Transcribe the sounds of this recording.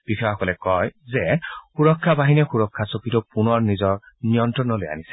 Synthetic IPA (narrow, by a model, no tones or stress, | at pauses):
b̥ixɔɔkɔlɛkɔjzɛxuɹɔkʰːabaɦinɛxuɹɔkʰːasopitɔpunɔɹnizɔɹ | nijɔntɹɔnɔloja̰nisɛ̥